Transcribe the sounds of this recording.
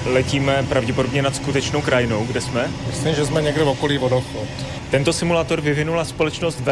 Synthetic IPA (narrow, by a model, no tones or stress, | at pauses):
lɛciːmɛpɾavɟɛpodo̞bɲɛnat̪skut̪ɛt͡ʃnowkɾajɪnowɡdɛsmɛmɪslimʒɛzmɛɲɛɡdɛvɔkɔliːvɔdɔxɔt̪ | t̪ɛnt̪o̞sɪmulaːt̪o̞ɾvɪvɪnulaspolɛt͡ʃnost̪vɛ